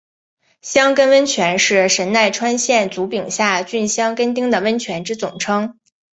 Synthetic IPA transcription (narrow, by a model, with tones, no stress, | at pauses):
ɕjɑ˥ŋkə˥nwə˥nt͡ɕʰɥɛ˧˥nʂɻ̩˥˩ʂə˧˥nna˥˩ɪʈ͡ʂʰwa˥nɕjɛ˥˩nt͡su˧˥pi˨˩ŋɕja˥˩t͡ɕy˥˩nɕjɑ˥ŋkə˥nt̪̬i˥ŋd̪ə˨˩wə˥nt͡ɕʰɥɛ˧˥nʈ͡ʂɻ̩˥t͡sʊ̰˨˩ŋʈ͡ʂʰɤ˥ŋ